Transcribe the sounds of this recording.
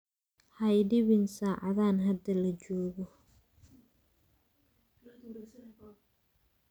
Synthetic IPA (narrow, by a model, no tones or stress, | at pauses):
hɐjdɪβɪnsaːʕɑ̰ðaːnɦɐd̪ɐlɐd͡ʒɔːɣɔ